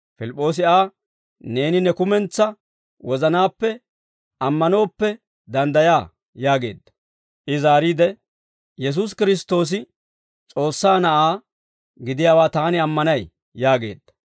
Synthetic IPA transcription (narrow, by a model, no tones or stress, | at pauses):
fɪlɪpʼːo̞ːs̬ɪaː | ne̞ːnɪnɛkʊmɛnt͡sːɐ | wɔzɐnaːpːɛ | ʔɐmːɐno̞ːpːɛ | d̪ɐnd̪ɐjaː | jaːɡe̞ːd̪ːɐ̥ | ʔɪzaːɾiːd̪ɛ | jɛs̬us̬kɪɾɪs̬t̪o̞ːs̬ɪ | t͡sʼo̞ːsːaːnɐʔaː | ɡɪd̪ɪjaːwaːt̪aːnɪɐmːɐnɐjː | aːɡe̞̰ːd̪ːɐ̥